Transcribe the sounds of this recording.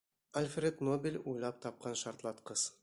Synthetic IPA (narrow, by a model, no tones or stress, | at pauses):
ɐlʲfrʲet̪nobʲɪlʲujlˠɑp̚t̪ɑp̚qɑnʃɑɾt̪lˠɑt̪qɤz̥